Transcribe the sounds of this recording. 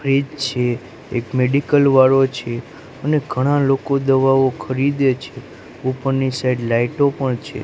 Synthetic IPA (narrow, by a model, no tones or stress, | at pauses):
fɾid͡ʒt͡ʃʰe | ḛkmeɖikəlʋaɾot͡ʃʰe | əneɡʱəɽ̃ãlokod̪əʋaʋokʰəɾid̪et͡ʃʰe | upəɾnisajɖlaiʈopəɳt͡ʃʰḛ